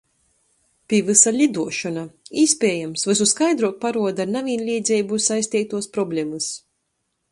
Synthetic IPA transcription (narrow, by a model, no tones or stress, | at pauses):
pʲivɨsalʲid̪uɔʃɔnaiːspʲɛːjamsvɨsuskajd̪ɾuɔk̚paɾuɔd̪aɾnavinlʲiːd̪zʲɛjbusajsʲt̪ʲiːt̪uɔspɾɔblʲɛmɨs